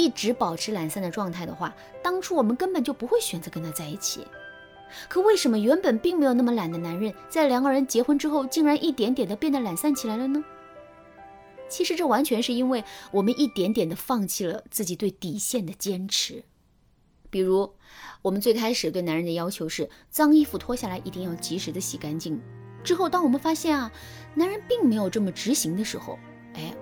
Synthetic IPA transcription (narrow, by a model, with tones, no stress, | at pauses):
i˥˩ʈ͡ʂɻ̩˧˥pɑ˨˩ʊʈ͡ʂʰɻ̩˧˥la˨˩nsa˥˩nd̪ə˩ʈ͡ʂwɑ˥˧ŋt̪ʰa˥˩ɪd̪ə˩xwa̰˥˩ | t̪ɑ˥ŋʈ͡ʂʰu˥wɔ˨˩mə˦nkə˥npə˨˩nt͡ɕjo˥˩ʊpu˧˥xwe˥˩ɪɕɥɛ˨˩nt͡sɤ˧˥kə˥nt̪ʰa˥t͡sa˥˧ɪi˥˩t͡ɕʰḭ˨˩˦ | kʰɤ˨˩we˥˩ɪʂə˧˥nmə˧ɥɛ˧˥npə˨˩npi˥˩ŋme˧˥ɪjna˥˩mə˩la˨˩nd̪ə˦na˧˥nɻə˥˩nt͡sa˥˩ɪljɑ˨˩˦ŋɡə˧ɻə˧˥nt͡ɕjɛ˧˥xwə˥nʈ͡ʂɻ̩˥xo˥˧ʊt͡ɕi˥˩ŋɻa˧˥nʔi˥˩t̪jɛ˧˥nt̪jɛ˨˩nd̪ə˦pjɛ˥˧nd̪ə˩la˨˩nsa˥˩nt͡ɕʰi˨˩la˧˥ɪlə˧nə˧ | t͡ɕʰi˧˥ʂɻ̩˧˥ʈ͡ʂɤ˥˩wa˧˥nt͡ɕʰɥɛ˧˥nʂɻ̩˥˩i˥nwe˥˩ɪwɔ˨˩mə˦nʔi˥˩t̪jɛ˧˥nt̪jɛ˨˩nd̪ə˦fɑ˥˧ŋt͡ɕʰi˥˩lə˩t͡sɹ̩˥˩t͡ɕi˨˩t̪we˥˩ɪt̪i˨˩ɕjɛ˥˩nd̪ə˩t͡ɕjɛ˥nʈ͡ʂʰɻ̩˧˥ | pi˨˩ɻu˧˥wɔ˨˩mə˦nt͡swe˥˩ɪkʰa˥ɪʂɻ̩˨˩t̪we˥˩ɪna˧˥nɻə˥˩d̪ə˩jɑ˥ʊt͡ɕʰjo˧˥ʊʂɻ̩˥˩ | t͡sɑ˥ŋi˥˧fu˥˩t̪ʰwɔ˥ɕja˥˩la˧˥ɪʔi˧˥t̪i˥˧ŋjɑ˥˩ʊt͡ɕi˧˥ʂɻ̩˧˥d̪ə˧ɕi˨˩ka˥nt͡ɕi˥˩ŋʈ͡ʂɻ̩˥xo˥˩ʊt̪ɑ˥ŋwɔ˨˩mə˦nfa˥ɕjɛ˥˩nɐ˩ | na˧˥nɻə˧˥npi˥˩ŋme˧˥ɪjo˨˩ʊʈ͡ʂɤ˥˩mə˩ʈ͡ʂɻ̩˧˥ɕi˧˥ŋd̪ə˧ʂɻ̩˧˥xo̰˥˧˩ʊ | e˥˩ɪ